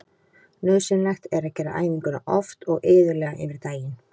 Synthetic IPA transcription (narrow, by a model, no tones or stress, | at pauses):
nœːðsɛnɛxt̪ɛɾacɛːɾa̰ʔa̰ːjniŋkʏna̰ʔɔft̪ɔɣɪːðʏɾlɛːɣaʔɪ̰nvɪɾt̪aːjɪn